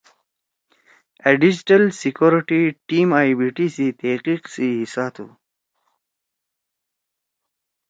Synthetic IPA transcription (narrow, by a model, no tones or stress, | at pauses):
aɖid͡ʑʈalsikoɾiʈiʈimaːjbiʈisit̪eqiqsiɦisaːt̪ʰṵ